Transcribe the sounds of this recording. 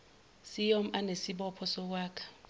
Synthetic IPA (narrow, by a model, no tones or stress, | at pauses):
sɪjom̩ʔanesɪbɔpʰɔsɔwaːkʰʼḁ